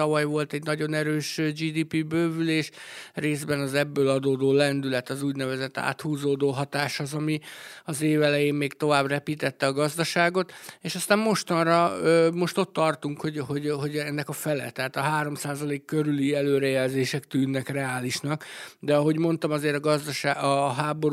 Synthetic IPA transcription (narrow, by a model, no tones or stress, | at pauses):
ɒvɒjvo̞lt̪ɛɟnɒɟo̞nɛɾøːʃd͡ʒiːd̪iːpibøːvyleːʃreːzbɛnɒzɛbːøːlɒd̪oːd̪oːlɛnd̪ylɛt̪ɒzuːɟnɛvɛzɛt̪ːa̰ːt̪huːzoːd̪oːɦɒt̪aːʃhozɒmiɒzeːvɛlɛjeːmmeːɡt̪o̞vaːbrɛpiːt̪ɛt̪ːɛɒɡɒzd̪ɒʃaːɡo̞t̪eːʃɒst̪aːmmo̞ʃt̪ɒnrɒømo̞ʃt̪o̞t̪ːɒrt̪uŋkhoɟho̞ɟɦo̞ɟɛnːɛkɒfɛlɛ̰t̪ːɛɦaːt̪ɒɦaːɾo̞msaːzɒleːkːøɾyliɛløːɾɛjɛlzeːʃɛkt̪yːnːɛkrɛaːliʃnɒkd̪ɛɒɦo̞ɟmo̞n̪t̪ɒmɒzeːɾɒɡɒzd̪ɒʃaːɒɦaːbo̞ɾ